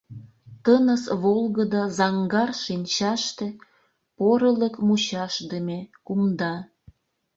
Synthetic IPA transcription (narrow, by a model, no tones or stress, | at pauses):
t̪ənəsβolˠɣəd̪əzɑŋɡɑrʃinʲt͡ɕɑʃt̪ĕ | poɾələkmut͡ɕɑʃd̪əmekumd̪ɑ